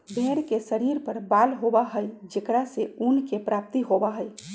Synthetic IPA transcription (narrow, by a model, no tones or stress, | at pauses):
bʱeɾkesəɾiɾpəɾbalɦobaɦəjd͡ʒekɾaseunkepɾap̚t̪iɦobaɦəj